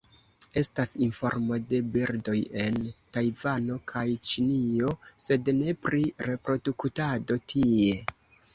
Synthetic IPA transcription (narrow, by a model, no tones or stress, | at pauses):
e̞stasinfo̞̰ɾmo̞de̞biɾdo̞je̞ntajvano̞kʰajt͡ʃinio̞se̞dne̞pɾiɾe̞pɾo̞duktado̞tʰie̞